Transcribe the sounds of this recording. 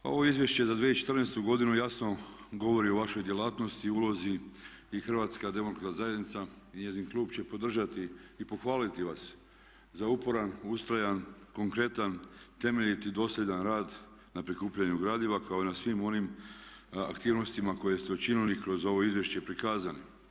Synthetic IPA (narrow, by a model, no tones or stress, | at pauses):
o̞̰ʋo̞izjeʃt͡ɕe̞zad̪ʋet͡ʃet̪ər̩neːst̪uɡo̞d̪inujasno̞ | ɡo̞ʋo̞ɾioʋaʃojd̪jelaːt̪no̞st̪iulˠo̞ziː | xrʋat̪skad̪e̞mok̪kazaje̞d̪nit̪sa | iɲezinklˠuːbt͡ɕe̞po̞d̪r̩ʒat̪iːpo̞xʋaːlit̪iʋas | zaupo̞ɾanust̪ɾajanko̞ŋkɾe̞t̪ant̪e̞me̞ʎit̪id̪o̞slʎʲe̞d̪anɾaːd̪ | napɾikuːpʎaɲuɡɾaːd̪iʋakʰao̞enasʋimo̞nim | a̰kt̪iːʋno̞st̪imako̞je̞st̪eot͡ʃinilikɾo̞zo̞ʋo̞izʋjeʃt͡ɕe̞pɾikaːzani